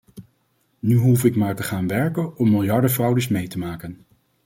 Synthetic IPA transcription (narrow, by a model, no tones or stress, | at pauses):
nyɦufɪkmaːɹtəχaːnʋɛɹkənɔmːɪlˠjɑɹdəvrʌwdəsmejtəmaːkən